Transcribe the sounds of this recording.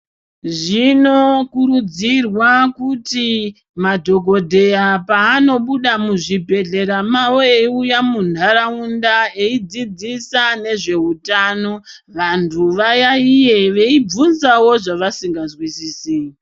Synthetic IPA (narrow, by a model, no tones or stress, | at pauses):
ʐino̞kuɾud͡zirwakuti | madʱo̞ɡʱo̞dʱe̞japaːno̞ɓuɗamuʐibʱe̞ɮe̞ɾamaweiujamundʱaɾaundae̞id͡zid͡zisane̞ʐe̞ɦutaːno̞ | ʋantʰuʋajaije̞ʋeib͡vunzawo̞ʐaʋasiŋɡazwisiːsi